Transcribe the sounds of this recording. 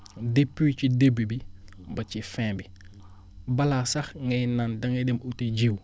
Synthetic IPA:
depːiwt͡ʃidebibibɐt͡ʃifɛ̃ːbi | bɐlasɐxŋɛjnandɐŋedemuted͡ʒiw

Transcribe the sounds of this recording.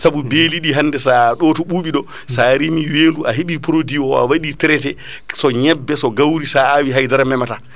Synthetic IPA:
saɓubeːliɗiɦanːdɛsaɗɔtɔɓuːɓiɗɔ | saːɾimiweːnduʔaɦiɓipɾodiɔa̰waɗitɛɾɛtɛ | sɔɲɛbːɛsɔɡawɾisaːwiɦajdaɾamɛmata

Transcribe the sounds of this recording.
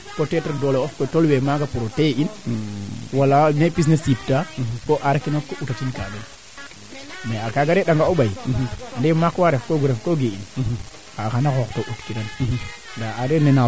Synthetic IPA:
kotetaɾdoloofkotolwemaɡapuɾotein | walːanepis̬nesip̚takoʔaɾakinakoʔutat͡ʃinka̰den | meakaɡaɾeɗaŋɡaoɓajandemakwaɾefkoɡuɾefkoɡeḭn | kakanaxoktoʔutkidan | daaɾenena

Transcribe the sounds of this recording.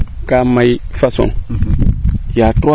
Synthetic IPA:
kamajfaso̰n | jato

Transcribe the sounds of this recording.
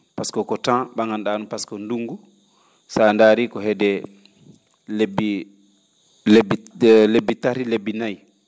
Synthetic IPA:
paskɔkɔtãɓaŋandaːnupaskɔnduŋɡu | sandaːɾikɔɦɛdɛ | lebi | blebːitaɾilebːinaj

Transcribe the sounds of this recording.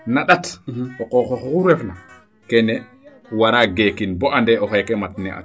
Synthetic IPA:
naɗatɔkɔxɔxɔuɾɛfna | kɛnɛ | waɾaɡeːkinbɔʔandɛɔkɛjkɛmatnɛ̰ʔa̰

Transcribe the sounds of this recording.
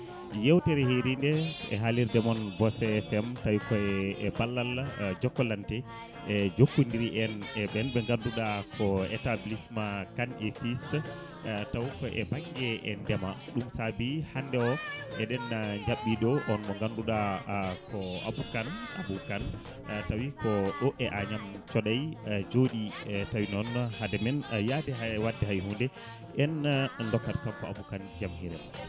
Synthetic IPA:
jewtɛɾɛheɾindɛɛ̰ɦaliɾdɛmɔnvɔsɛfɛmtajkɔɛɛbalːald͡ʒɔkːɔlantɛ | ɛd͡ʒokːundiɾiʔɛnɛbɛlbɛŋɡanduɗakʰɔɛ̰tablismakanefis | tawkɔʔɛ̰baŋɡɛɛndɛmaɗumsabihandɛɔʔɛɗɛnɲd͡ʒaɓːiɗɔʔɔnmɔŋɡanduɗakɔa̰bukana̰bukan | tawikɔɗɔʔɛʔaɲamt͡ʃɔɗajd͡ʒoɗitawinɔnhadɛmɛnjadɛɦawadːɛɦajɦundɛ | ʔɛnlɔkːatkamkɔabukand͡ʒamhiɾɛm

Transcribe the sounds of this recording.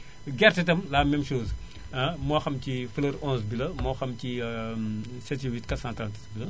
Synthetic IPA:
ɡɛrtitɐmlaːmɛmʃoːz | ɐmɔːxɐmcifəlɐɾɔ̃nsbilɐmɔːxɐmci | sɛtiwitkɐsantanti̥sbilɐ

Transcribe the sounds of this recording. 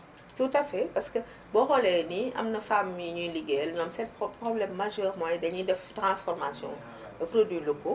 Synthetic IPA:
tutɐfɛpɐskə | bɔɣɔlɛniʔɐ̰mnɐfamːiɲuliɡɛlɲɔmsɛtprɔblɛmːɐʒɛːrmɔjdɐɲudɛftɾãsfɔrmasjɔ̰̃ | prodwilokːo

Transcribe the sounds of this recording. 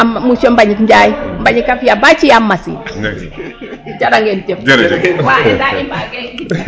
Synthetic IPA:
musombaɲikɲd͡ʒajimbaɲikːafijabat͡ʃijamːasḭ | t͡ʃaɗaŋɡentefd͡ʒɾwadaimbke

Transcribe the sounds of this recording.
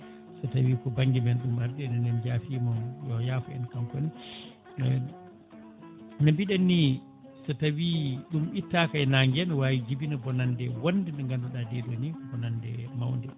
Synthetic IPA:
sɔtawiːkɔbaŋɡimɛnɗumaɾdɛnɛndɛnd͡ʒaːfiːmɔmjɔjaːfɔɛ̰nkamkoni | nabiɗanːi | sɔtawiɗumitːakajnaŋɡɛnwawid͡ʒibinabɔnandɛwondɛnɛŋɡandɔɗadɛdonikɔbɔnandɛmawndɛ

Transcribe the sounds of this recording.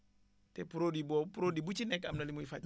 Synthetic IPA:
tɛpuɾodibopuɾodibut͡ʃinɛkamnalimuifa

